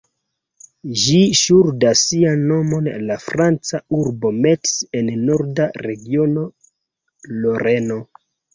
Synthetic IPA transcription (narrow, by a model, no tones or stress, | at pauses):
ʒiʃuɾdasianːo̞mo̞nlafɾant͡sauɾbo̞me̞tse̞nːo̞ɾdaɾe̞ɡio̞no̞ | lo̞ɾe̞no̞